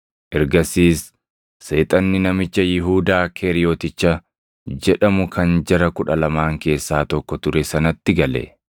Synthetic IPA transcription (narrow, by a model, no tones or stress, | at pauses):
ʔɛɾɡɐsiːsː | e̞ːt̪ʼɐnːɪnɐmɪt͡ʃːɐjɪɦuːd̪aːkʰeːɾɪjoːt̪ɪt͡ʃːɐ | d͡ʒɛᶑɐmʊkʰɐnd͡ʒɐɾɐkʊᶑɐlɐmaːŋke̞ːsːaːt̪ɔkːɔt̪ʊɾɛsɐnɐt̪ːɪɡɐlɛ̰